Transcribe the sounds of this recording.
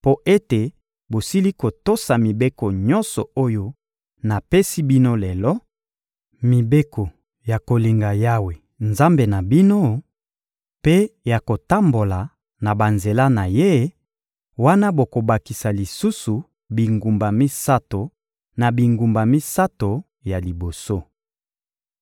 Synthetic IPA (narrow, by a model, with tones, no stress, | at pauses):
po˦ʔe˦te˨ | bo˨si˦li˦ko˨to˦sa˨mi˨be˦ko˨ɲɔ˦nsɔ˨o˦jo˦ | na˨pe˦si˦bi˦no˦lɛ˨lɔ˦ | mi˨be˦ko˨ | ja˨ko˨li˨ŋɡa˨ja˦we˨ | nza˦mbe˨na˨bi˦no˦ | pe˦ja˨ko˨ta˦mbo˨la˨ | na˨ba˨nze˨la˦na˨je˦ | wa˦na˦bo˨ko˨ba˨ki˨sa˨li˨su˦su˨ | bi˨ŋɡu˨mba˨mi˦sa˦to˨ | na˨bi˨ŋɡu˨mba˨mi˦sa˦to˨ | ja˨li˨bo˨so˦